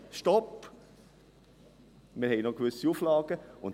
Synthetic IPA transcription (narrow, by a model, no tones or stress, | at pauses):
ʃtɔp | mɪɾhɛɪnɔkvʏsiuflɑːɡ̥əʊn